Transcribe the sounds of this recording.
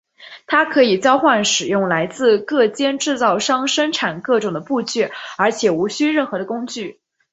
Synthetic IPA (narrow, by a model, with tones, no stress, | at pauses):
t̪ʰa˥kʰɤ˧˥i˨˩t͡ɕjɑ˥ʊxwa˥˩nʂɻ̩˨˩jʊ˥˩ŋla˧˥ɪt͡sɹ̩˥˧kɤ˥˩t͡ɕjɛ˥nʈ͡ʂɻ̩˥˧t͡sɑ˥˩ʊʂɑ˥ŋʂə˥ŋʈ͡ʂʰa˨˩nkɤ˥˩ʈ͡ʂʊ˨˩ŋd̪ə˦pu˥˧t͡ɕɥɛ˥˩ə˞˧˥t͡ɕʰjɛ˨˩u˧˥ɕy˥ɻə˥˩nxɤ˧˥d̪ə˧kʊ˥ŋt͡ɕy˥˩